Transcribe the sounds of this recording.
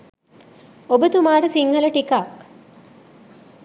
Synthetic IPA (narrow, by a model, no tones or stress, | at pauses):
obət̪umaːʈəsiŋɦələʈikak